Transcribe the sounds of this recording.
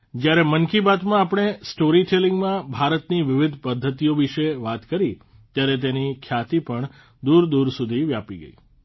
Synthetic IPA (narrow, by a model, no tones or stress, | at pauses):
d͡ʒjaɾemənkibat̪mãːpɳ̃esʈoɾiʈʰelɪŋɡmãbʱaɾət̪niʋɪʋɪd̪ʱpəd̪ʱːət̪ijoʋɪʃeʋat̪kəɾi | t̪jaɾet̪̬enikʰjat̪ipəɳ | d̪uɾd̪uɾsud̪ʱiʋjapiɡə̰i